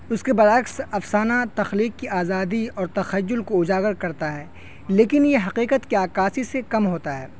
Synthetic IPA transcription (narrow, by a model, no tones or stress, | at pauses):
ʊskebɐɾəksɐfsaːnat̪ɐxliːqːiʔaːzaːd̪iɔːɾt̪ɐxɐjːʊlkoʊd͡ʒaːɡəɾkɐɾt̪aɦɛː | leːkɪnjeɦɐqiːqət̪kiaːkaːsisekɐmɦoːt̪aɦɛ̰ː